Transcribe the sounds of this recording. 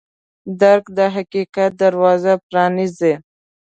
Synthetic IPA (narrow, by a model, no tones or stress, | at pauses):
d̪aɾkd̪əɦaqiqat̪̚d̪aɾwɑzapɾɑnize